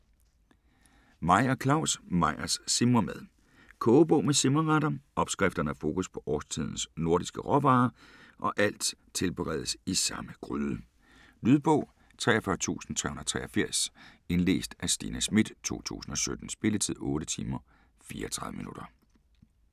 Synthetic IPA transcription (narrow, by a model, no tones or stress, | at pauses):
mɑ̈ɪ̰ɐkʰlɑ̈ʊ̰smɑ̈ɪɐsːe̝mɐmeðˠ | kʰɔːb̥ɔʊmesemɐʁɑɾɐɒ̽b̥sɡ̥ʁɛfd̥ɐnəæɐfo̝ːkʰuspʰɒ̽ʔɒːst͡sʰiðˠn̩sno̝ɐ̰disɡ̥əʁɒʋɑ̈ː | ʔɒ̽ʔæl̰d̥ | t͡sʰe̝lb̥əʁɛ̰ːð̞ˠsisɑ̈məɡ̥ʁyðˠə | lyðˠb̥ɔ̰̽ʊ̰ | t͡sʰʁɛ̰ːɒfɶɐt͡sʰṵːsn̩t͡sʰʁɛhun̩ˠɐ̥t͡sʰʁɛːɒfiɐ̰se̝nle̝̰ːsd̥æsd̥ḭːnæsmid̥t͡sʰo̝̰ːt͡sʰṵːsn̩ɒ̽sød̥n̩sb̥e̝lət͡sʰið̰ˠɔ̽ːɾ̥ət͡sʰiːmɐ | fiːɐɒt͡sʰʁɑ̈ðˠəminud̥ɐ